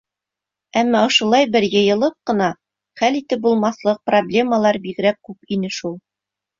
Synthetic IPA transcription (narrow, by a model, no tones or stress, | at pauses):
æmːɑŏʃŏlˠɑjbɘ̆ɾjɤ̆jɤ̆lˠɤp̚qɤ̆nɑ | χælit̪ɘp̚bulˠmɑslˠɤq̚problʲe̞məlˠɑɾbiɡɾæk̚kʉpinɘʃulˠ